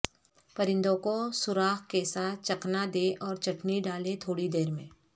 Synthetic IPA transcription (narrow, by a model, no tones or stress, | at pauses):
pɐɾɪ̃nd̪õkosʊɾaːɦkesaːt̪̚t͡ʃɐknad̪eːʔɔːɾt͡ʃɐʈniɖaːlet̪ʰoːɽid̪eːɾmḛ̃ː